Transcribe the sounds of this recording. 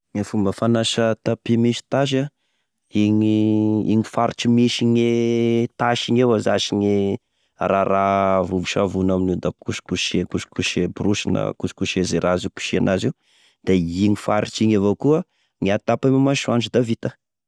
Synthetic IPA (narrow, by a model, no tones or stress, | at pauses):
ŋafumbəfanaʃət̪apimiʃi̥t̪aʃ̬a | iŋiḭɲifaɾit͡ʃimiʃiɲet̪aʃiɲewazaʃiɲi | raravuvuʃavunaminud̪akuʃi̥kuʃekuʃi̥kuʃebruʃinə̰kuʃi̥kuʃezeɾʔaziku̥ʃianʔaziw | d̪̥eiŋifaɾit͡ʃiɲavokuə | ŋiat̪apamumaʃuant͡ʃud̪avit̪a